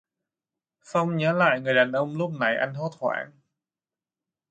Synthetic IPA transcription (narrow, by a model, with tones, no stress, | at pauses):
sa˧wŋ͡mɲəː˨˦la̰ː˧˨jŋɨ˨˩əjɗaː˨˩nʔə˧wŋ͡mlu˦˥p̚na˨˩jʔa˧jŋ̟ɦo˦˥t̪̚hwa̰ː˧˩˦n